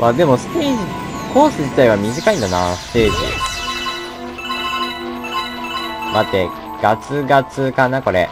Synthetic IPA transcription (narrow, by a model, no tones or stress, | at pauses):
ad̪e̞mo̞sɨ̥t̪eːd͡ʑi | kʰo̞ːsɨʑit̪aiβ̞amʲiʑikaĩnd̪anasɨ̥t̪e̞ːʑḭd̪ḛs | dat̪ːe | ɡ̥at͡sɨɡat͡sɨkanako̞ɾḛ